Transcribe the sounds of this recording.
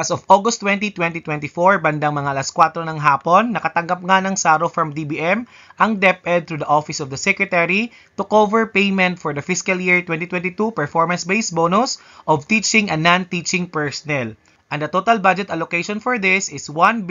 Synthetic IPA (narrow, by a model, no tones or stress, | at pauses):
ɐsovʔoɡʊst̪ːwɛ̃nt̪̬it̪wɛ̃nt̪it̪wɛ̃nt̪ifoɹbɐnd̪aŋmɐŋaʔɐlɐskwat̪ɾonɐŋɦaːponːɐkɐt̪ɐŋɡɐp̚ŋanɐŋsaːɾofɹɐmd̪ibiʔɛm | ʔɐŋd̪ɛp̚ɛd̪̚t̪ɾud̪ɐʔofɪsɔvd̪ɐsɛkɹɛt̪ɛɹi | t̪ʊkovɛɹpejmɛ̃nt̪fɔɹd̪ɐfɪskɐljiɹt̪wɛ̃nt̪it̪wɛ̃nt̪it̪upɛɹfɔɹmɐnsbejsbonʊs | ʔɔvt̪it͡ʃɪ̃ŋɐnːant̪it͡ʃɪ̃ŋpɛɹsɔnɛl | ʔɐŋd̪ɐt̪ot̪ɐlbad͡ʒɛt̪ɐlokejʃɔnfɔɹd̪ɪsɪswɐ̃n